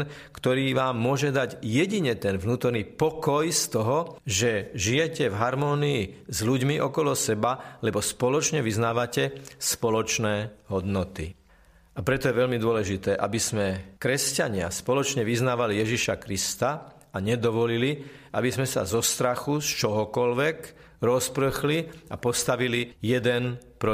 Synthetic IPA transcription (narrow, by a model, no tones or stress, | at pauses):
kt̪ɔɾiːʋaːmːʊɔʒɛd̪aɟjɛɟiɲɛt̪ɛnvnuːt̪ɔɾnipɔkɔjst̪ɔɦɔʒɛʒijɛcɛvɦaɾmɔːniizluɟmiʔɔkɔlɔsɛbalɛbɔspɔlɔt͡ʃɲɛʋiznaːʋacɛspɔlɔt͡ʃnɛːɦɔd̪nɔt̪ḭ | apɾɛt̪ɔjɛʋɛʎmid̪ʊɔlɛʒit̪ɛːʔabizmɛkɾɛscaɲɪa̰spɔlɔt͡ʃɲɛʋiznaːʋalijɛʒiʃakɾist̪a | aɲɛd̪ɔʋɔliliʔabizmɛsa̰zɔst̪ɾaxust͡ʃɔɦɔkɔlʋɛk | ɾɔspɾəxliapɔst̪aʋilijɛd̪ɛnpɾɔ